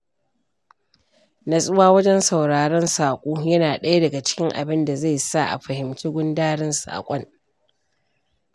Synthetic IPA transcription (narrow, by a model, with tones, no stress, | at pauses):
na˨sʼʊ˦waː˦wɐ˦d͡ʒɛ˦nsɐ˨wɽaː˨ɽɛ˦nsaː˨kʷʼuː˦jɐ˦naː˨ɗɐ˦ja˦dɐ˨ɡa˨t͡ʃɪ̥˦kʲɪ˦ŋʔa̰˨bɪ˦nda˨za˦˨jsa˦˨ʔa̰˨ɸɐ˨hɪ˨mt͡ʃiː˦ɡʷʊ˦ndaː˦ɽɪ˦nsa̰ː˨kʷʼɔ˦ŋ